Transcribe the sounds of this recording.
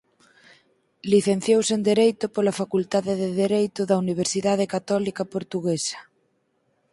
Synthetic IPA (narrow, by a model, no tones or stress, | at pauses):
liθen̟θjowsend̪eɾejt̪ʊpolafakult̪aðeðeðeɾejt̪ʊðɐuniβ̞eɾsiðað̞ekat̪ɔlikɐpoɾt̪uɣesɐ̥